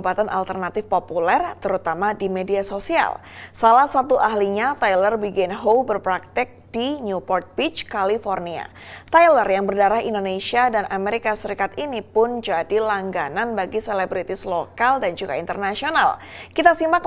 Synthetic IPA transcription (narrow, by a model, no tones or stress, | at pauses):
pat̪anʔa̰lt̪ərnat̪ɪfpopulɛrt̪əɾut̪amadimediasosia̰lsalahsat̪uʔaɦliɲat̪ajlərbiɡɛnɦowbərpɾak̚t̪ɛk̚d̥iɲupɔrt̪̚bit͡ʃkalifornia̰ | t̪ajlərjaŋbərdaɾahindonesiadanʔameɾikasəɾikat̪inipʊnd͡ʒadilaŋɡananbaɡiselebɾit̪islokaldand͡ʒuɡa̰int̪ərnasiona̰l | kit̪asimbak